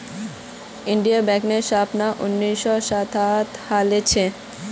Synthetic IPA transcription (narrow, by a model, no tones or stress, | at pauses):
iɳɖijabɛkneɾʃapnaʔunːiʃɔʃat̪ʰat̪halet͡ɕʰe